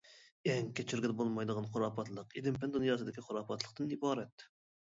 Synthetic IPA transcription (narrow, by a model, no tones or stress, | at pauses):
ɛŋkʲʰet͡ʃʰyɾɡʲɛd̪bolˠmɑjd̪əʁɑnqʰoɾɑːpʰɑt̪lˠəqid̪ɪmpend̪onjɑsɨd̪ɪkʲiqʰʊɾɑpʰɑt̪lˠə̥qt̪ɨnibɑːɾɛt̪